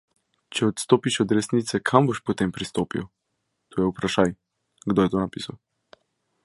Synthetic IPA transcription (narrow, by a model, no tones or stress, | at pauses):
t͡ʃɛɔt̪st̪oːpiʃɔd̪ɾɛsnit̪sɛkʰamboʃpɔt̪eːmpɾist̪oːpḭw | t̪ʰoːjɛupɾaʃaːj | ɡd̪oːjɛt̪oːnapiːsaw